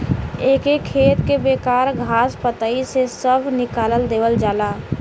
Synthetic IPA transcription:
eːkekʰːeːt̪kebeːkaːɾɡʱaːspət̪əisesəbʱnɪkaːləld̪eːʋəld͡ʒaːlaː

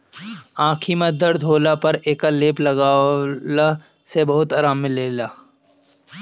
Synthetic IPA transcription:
ãːkʰimɐ̃d̪ɐɾd̪ʱoːlapɐɾeːkaleːplɐɡaːla | sebɐɦʊt̪aːɾaːmːɪ̃leːlaː

